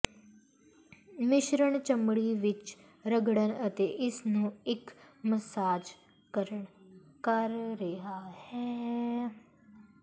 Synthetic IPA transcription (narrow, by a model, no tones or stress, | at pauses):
mɪʃɾəɳt͡ʃəmɽiːʋɪt͡ʃ | ɾəɡɽənət̪eːʔɪsnũːɪkməsaːd͡ʒ | kəɾə | kəɾɾeɦaːhɛː